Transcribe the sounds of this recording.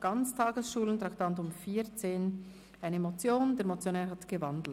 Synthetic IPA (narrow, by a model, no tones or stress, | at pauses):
ɡ̥ɑnt͡stʰɑːɡəsʃuːləntʁaktɑntʊmfiːt͡seːn | aɪnəmot͡sjoːndeːɾmot͡sjonɛːɾhɑtɡ̥əvɑndl̩